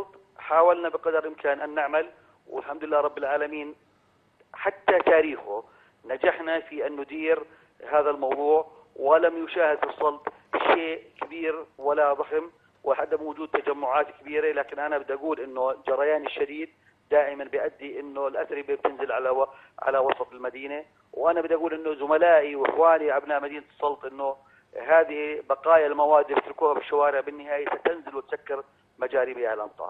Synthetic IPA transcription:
sˤɑlt̪ˤ | ħaːwalnabɪqɑd̪ɾˤʔɪmkaːnʔanːɪʕmal | wɪ̰lħamd̪ʊlɪlːaːɾˤɑbːɪlʕaːlamiːn | ħat̪ːat̪aːɾiːxʊ | nad͡ʒaħnafiʔɪnːʊd̪iːɾ | ɦaːðalmɑwðˤuːʕ | wɪlamjʊʃaːhɪd̪fisˤːɑlb̪ | ʃeːʔkabiːɾwalaðˤɑxm | wɪħad̪ːɪmwʊd͡ʒuːd̪̚t̪ad͡ʒamːʊʕaːt̪kabiːɾelaːkɪnʔanabɪd̪ʔaɡuːlʔɪnːʊd͡ʒɑɾˤɑjaːnɪʃːad̪iːd̪̚ː | aːʔɪmanbɪjʔad̪ːiʔɪnːʊlʔasɾibɪb̚t̪ɪnzɪlʕala | ʕa̰lawɑsˤɑt̪ˤɪlmad̪iːna | wʔanabɪd̪ʔaɡuːlʔɪnːʊzʊmalaːʔiwɪxwaːniʕabnaːmad̪iːnat̪ɨ̥sˤːɑlt̪ˤʔɪnːʊ | ɦaːðɪhibɑqɑːjalmawaːd̪ːibɪt̪ɾɪkuːhabɪʃːawaːɾɪʕbɪnːɪhaːjasat̪ɪnzɪlwɪt̪sakːɪɾ | mad͡ʒaːɾɪbiʕalʔɑmt̪ˤɑ̰ʔɑ̰

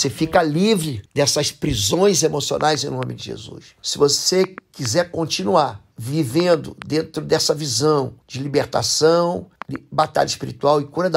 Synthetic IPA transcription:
sefikɐlivɾɪd̪ɛsɐspɾizõj̃zemosio̰nʔajzẽj̃nõmɪd͡ʒɪʒḛzṵs | sɪvosekizɛɾkõnt͡ʃinuaɾ | vivẽnd̪ʊ̰d̪ẽnt̪ɾʊd̪ɛsɐvizɐ̃w̃d͡ʒɪlibeɾt̪a̰sɐ̃w̃d͡ʒɪbat̪a̰ʎɐiʃpiɾit̪uawɪkuɾɐd̪

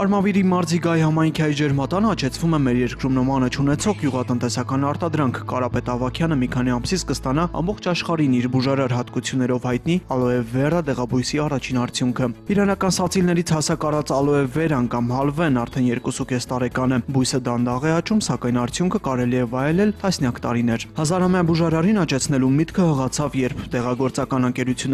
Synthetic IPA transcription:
ɑɾmɑviɾimɑɾziɡɑjihɑmɑjŋkʰiɑjid͡ʒɛɾmɑt̪ɑnɑt͡ʃʰɛt͡sʰvumɛmɛɾjɛɾkɾumnəmɑnət͡ʃʰunɛt͡sʰɔʁɡjuʁɑt̪ən̪t̪ɛsɑkɑn̪ɑɾt̪ɑd̪ɾɑŋkʰkɑɾɑpɛt̪ɑvɑkʰjɑnəmikʰɑn̪iɑmsit͡sʰkəst̪ɑnɑɑ̰mbɔχt͡ʃʰɑʃχɑɾiniɾbuʒɑɾɑɾɦɑt̪kut͡sʰjunːɛɾɔvhɑjt̪niɑlɔɛvːɛrəd̪ɛʁɑbujsiɑrɑt͡ʃʰinɑɾt͡sʰjuŋkʰəiɾɑnɑkɑnsɑt͡sʰilnɛɾit͡sʰhɑsɑkɑrɑt͡sɑlɔɛvɛɾɑnkɑmɦɑlvɛnɑɾt̪ʰɛnjɛɾkusukɛst̪ɑɾɛkɑn̪ɛbujsəd̪ɑnd̪ɑʁɛɑt͡ʃumsɑkɑjnɑɾt͡sʰjuŋkʰəkɑɾɛliɛvɑjɛlɛlt̪ɑsnjɑkt̪ɑɾinɛɾhɑzɑɾhɑmjɑbuʒɑɾɑrinɑt͡ʃɛt͡sʰn̪ɛlumit̪kʰəhəʁɑt͡sʰɑvjɛɾpʰd̪ɛʁɑɡɔɾt͡sɑkɑnəŋkɛɾut͡sʰjunː

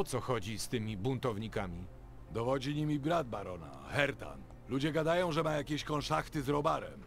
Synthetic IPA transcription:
ɔt̪sɔxɔd͡ʑist̪ɘmʲibunt̪ɔvɲikamʲi | d̪ɔvɔd͡ʑiɲimʲibɾad̪̚baɾɔna̰xɛɾt̪a̰n | lud͡ʑɛɡad̪ajɔ̃w̃ʐɛmajakʲeɕkɔ̃nʂaxt̪ɘzɾɔbaɾɛ̰m

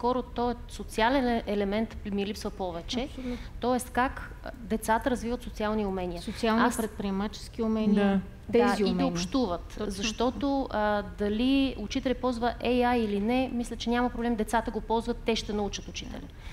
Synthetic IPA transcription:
skɔɾot̪ɔɛ | sot̪sialɛnɛlɛmɛnt̪milipsvəpɔvɛt͡ʃɛt̪ɔɛst̪kak | d̪ɛt̪sat̪əɾɐzvivət̪sot̪sialˠniʊmɛniəsot̪sialˠnpɾɛt̪̚pɾiɛmat͡ʃɛ̥skiʊmɛna | d̪ɛziid̪ɛopʃt̪uvət̪zɐʃt̪ɔt̪od̪ɐliʊt͡ʃit̪ɛlʲɛpɔlˠzvəʔɛjailinɛmislʲət͡ʃɛnʲamɐpɾoblɛmd̪ɛt̪sat̪əɡopɔlˠzvət̪ːɛʃt̪ɛnɐut͡ʃət̪ʊt͡ʃit̪ɛ̰lʲḭ

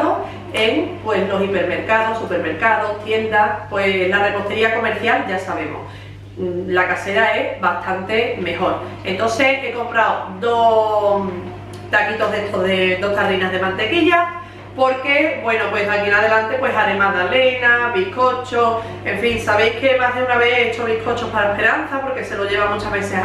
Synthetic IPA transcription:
ðo | eŋpwe̞slo̞sipe̞ɾme̞ɾkaðo̞supe̞ɾme̞ɾkaðo̞ht̪je̞nd̪apwe̞nlare̞po̞ht̪e̞ɾiako̞me̞ɾθjalʝasaβe̞mo̰s | lakase̞ɾae̞sβast̪ʰant̪e̞me̞ho̞ɾ | e̞nt̪o̞nse̞e̞ko̞mpɾawd̪o | t̪akit̪o̞ɦðe̞ht̪o̞ɦðed̪o̞ht̪aðɾinaɦð̞e̞mãnt̪e̞kiʎa | po̞ɾke̞bwe̞nopwe̞ɦakienað̞elant̪e̞pwe̞ɦaɾemaðale̞naβihko̞t͡ʃo | eɱfiŋsaβ̞e̞jke̞maɦðeunaβeet͡ʃoβihkʰo̞t͡ʃopaɾaehpe̞ɾan̟θapo̞ɾke̞se̞loʝe̞β̞amut͡ʃaɦβe̞θe

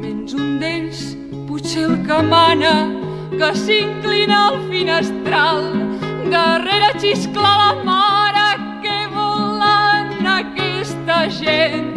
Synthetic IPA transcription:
t̪enzund̪ens | puselˠkəmanə | kəsiŋklinəlˠfinəst̪ɾalˠd̪əreɾət͡ʃisklaləmaɾə | kɛβulanəkɛst̪əʒen

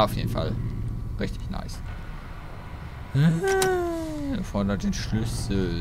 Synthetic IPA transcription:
aʊfjeːdn̩fa̰lʁɛçtʰɪ̥çna̰ɪs | hə | fɔdadenʃlʏsl̩

